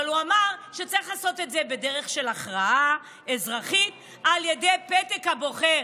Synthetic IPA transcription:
aluamaʁʃet͡saʁiχlaːso̞tetzebe̞deʁeχʃe̞laχʁaa | ezʁaχit | alje̞dejpetekhabo̞χe̞ʁ

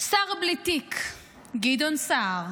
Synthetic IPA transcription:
saʁblit̪ikʰ | ɡid̪onsaʁ

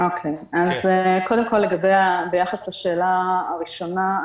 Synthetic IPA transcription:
okʰejazko̞d̪emko̞lːeɡabejabejaχaslaʃeːlaːʁiʃo̞na

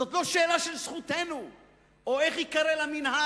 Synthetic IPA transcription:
zot̪lo̞ʃeːlaʃelsχut̪enu | oeχikaɾelaminha

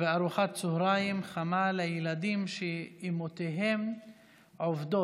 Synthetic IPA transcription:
veaɾuχatt͡sohɾajimχamalejelad̪imʃeimot̪eɦem | ʕovd̪o

